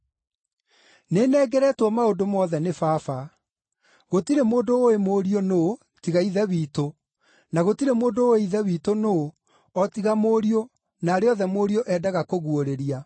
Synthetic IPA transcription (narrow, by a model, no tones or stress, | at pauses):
nenɛːɡɛɾɛːtwɔmaondomɔðɛnefaːfa | ɣotiɾemoːndooemoːɾiono | tiɣaiðɛβiːto | naɣotiɾemoːndooeiðɛβiːtonoː | ɔtiɣamoɾio | naːɾeɔðɛmoːɾijoʔɛːdaɣakoɣuoɾeɾia